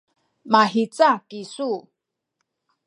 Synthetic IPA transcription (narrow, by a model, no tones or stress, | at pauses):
maɦit͡sakisu